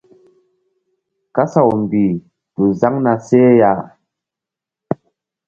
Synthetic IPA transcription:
ka˦sa˨wm˨bi˨ | tu˨za˦ŋna˧se˦ja˦˨

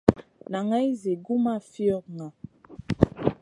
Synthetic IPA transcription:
na˨ŋa˦jze˨ɡu˦ma˦˨fi˦ɔ˦˨k̚ŋa˨

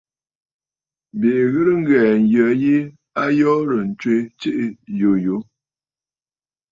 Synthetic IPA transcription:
be˨ɣɨ˦ɾə˦ŋ˦ɡɛː˨n̩˨jə˨˦ji˦ | a˦jɔː˦ɾə˨n̩˨t͡ʃwe˦t͡ʃe˦ʔjo˨˦jo˨˦

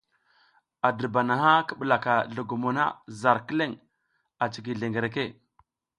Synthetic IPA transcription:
a˨də˨ɾba˨na˨ɦa˦kə˦ɓə˨la˨ka˨ɮu˨ɡu˨mo˨na̰˦za˨ɾkə˦le˦ŋ | a˨t͡ʃi˨ɡi˨ɮe˨ŋɡe˨ɾe˨ke˦˨

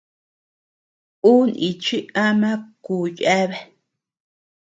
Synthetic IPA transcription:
u˦ni˨t͡ʃi˦a˦mã˦ku˨ja˦βe˦˨

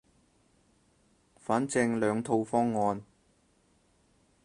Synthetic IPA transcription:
faː˨˥nt͡sɪ˧ŋlœː˨˧ŋt̪ʰo˧wfɔː˥ŋːɔː˧n

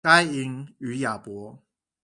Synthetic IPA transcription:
ka˥ɪi˧ŋy˨˧˦ja˨˩pwɔ˧˦

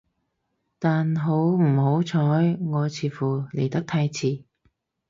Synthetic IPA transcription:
t̪aː˨nɦo˨˥wm̩˨˩ɦo˨˥wt͡sʰɔː˨˥jŋɔː˨˧t͡sʰiː˨˧fuː˨˩le˨˩jt̪ɐ˥k̚t̪ʰa˧jt͡sʰiː˨˩

